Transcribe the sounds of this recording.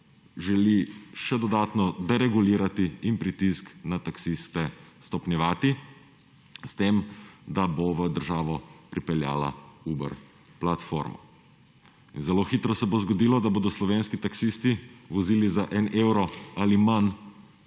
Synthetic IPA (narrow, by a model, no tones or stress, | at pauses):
ʒɛliʃɛd̪ɔd̪aːt̪nɔd̪ɛɾɛɡuliːɾat̪iimpɾit̪isknat̪aksist̪ɛst̪ɔpnjɛʋaːt̪i | st̪eːmd̪aboʋəd̪əɾʒaːʋɔpɾipɛlja̰ːla̰ubə̰ɾ | plat̪fo̰ɾmɔ̰ | inzɛloːxit̪ɾɔsɛbozɡɔd̪iːlɔd̪aboːd̪ɔslɔʋeːnskit̪aksist̪iʋɔziːlizaʔɛnewɾɔaliman